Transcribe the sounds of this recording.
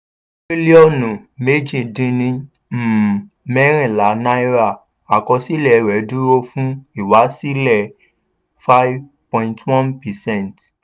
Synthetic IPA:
ɾi˦li˦ɔ˦˨nũ˨me˦d͡ʒĩ˨dĩ˧nĩ˦˨ | mɛ˦ɾ̃ĩ˦˨la˨˦nã˦i˦ɾa˦˨ | a˨kɔ˧si˦lɛ˨ɾɛ˨˦du˦ɾo˧˦fũ˦i˦˨wa˨˦si˦lɛ˦˨ | fa˦jv | pɔ̃˧ĩntwɔ̃˦npɛ˨sɛ̃˦˨nt

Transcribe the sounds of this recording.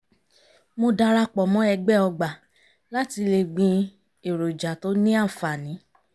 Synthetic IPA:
mo˧da˧ɾa˧k͡pɔ˨mɔ̃˨˦ɛ˧ɡ͡bɛ˦˨ɔ˧ɡ͡ba˨ | la˦ti˧le˧ɡ͡bĩ˧ | e˨ɾo˨d͡ʒa˨to˨˦nĩ˦a˦˨fa˨nĩ˨˦

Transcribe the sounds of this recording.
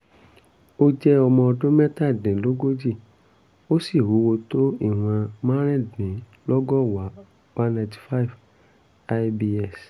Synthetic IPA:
o˦d͡ʒɛ˦ɔ˧mɔ̃˧ɔ˧dõ˦mɛ˦ta˦˨dĩ˨lo˦ɡo˦d͡ʒi˦˨ | o˦si˦˨wu˨˦wo˧to˦i˦˨w̃ã˧m̃ã˦ɾ̃ĩ˦˨dnĩ˨ | lɔ˦ɡɔ˦wa˨˦ | wã˦nã˧ti̥˨fa˦˨f | a˦bi˧ɛ˦˨s

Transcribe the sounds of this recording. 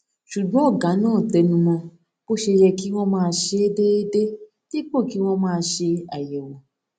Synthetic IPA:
ʃu˨ɡ͡bɔ̃˨˦ɔ˦˨ɡã˨˦nãː˦˨tɛ˧nũ˧mɔ̃˧ | ko˦ʃe˧jɛ˧ki˦w̃ɔ̃˦mãː˦˧ʃe˧e˦de˦e˦de˦ | ti˦k͡po˦˨ki˨˦w̃ɔ̃˦mãː˦˧ʃe˧a˨jɛ˨wɔ˨

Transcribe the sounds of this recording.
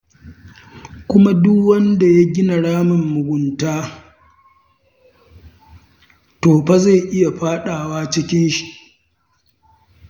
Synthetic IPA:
kʷʊ˦ma˦dʊ˦wɐ˦nda˨ja˦ɡʲɪ˦na˨ɽaː˦mɪ˨mːʊ˨ɡʷʊ˨ntaː˦ | toː˨ɸa˦za˦˨ʔɪ˦ja˨ɸaː˦ɗaː˨waː˦t͡ʃɪ˦kʲɪ˦nʃi̥˨ʔ

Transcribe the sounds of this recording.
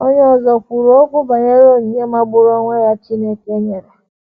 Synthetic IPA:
o˦ɲ˦ɔ˨zɔ˨kʷu˨ɾo˦kʷʊ˦ba˨ɲe˦ɾo˦n̩˨ɲje˦ma˦bʊ˦ɾɔ˦ŋʷe˦ɾa˦t͡ʃi˦ne˦ke˦ɲe˨ɾa˨

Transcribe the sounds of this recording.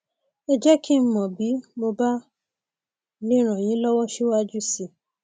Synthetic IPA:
e˧d͡ʒɛ˦ki˦m̩˦mɔ̃˨bi˨˦mo˧ba˦ | li˦ɾ̃ã˨j̃ĩ˨˦lɔ˦wɔ˦ʃi˦wa˦d͡ʒu˦si˨

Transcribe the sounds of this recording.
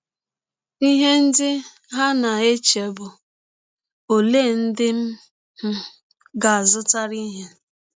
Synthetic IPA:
i˦ɦe˦n̩˦dɪ˦ | ɦa˦na˨e˦t͡ʃe˨bʊ˨ | o˨le˦˨n̩˦dɪ˦m̩˦ | m̩˦ | ɡa˨a˨zʊ˦ta˦ɾi˦ɦe˦

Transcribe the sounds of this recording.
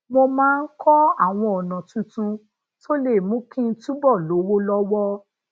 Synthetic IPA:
mo˧mãː˦n̩˦kʰɔ˦a˦˨w̃ɔ̃˧ɔ˨nã˨tũ˧tũ˧ | to˦le˦˨mũ˨˦kĩ˦n̩˦tũ˦bɔ˦˨lo˨˦wo˦lɔ˦wɔ˦

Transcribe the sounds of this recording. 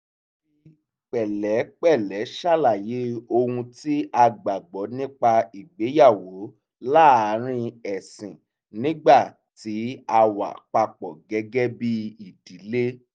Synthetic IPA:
k͡pɛ˨lɛ˨˦k͡pɛ˦˨lɛ˨˦ʃa˦˨la˨je˨˦o˧hũ˧ti˦a˧ɡ͡ba˨ɡ͡bɔ˨˦nĩ˦k͡pa˧i˨ɡ͡be˨˦ja˦˨wo˨˦ | la˦˨a˨˦ɾ̃ĩ˦ɛ˨sĩ˨ | nĩ˦ɡ͡ba˦˨ | ti˨˦a˧wa̰˨k͡pa˧k͡pɔ˨ɡɛ˨˦ɡɛ˦bi˦i˦˨di˨˦le˦

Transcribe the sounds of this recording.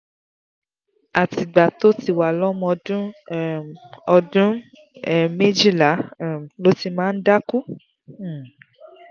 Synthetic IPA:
a˨ti˨ɡ͡ba˨to˦ti˧wa˨lɔ˦mɔ̃˧dũ˦ | ɔ˧dũ˦˨ | me˦d͡ʒi˦˨la˨˦˨lo˦ti˧mãː˦˧n̩˦da˦ku˦˨

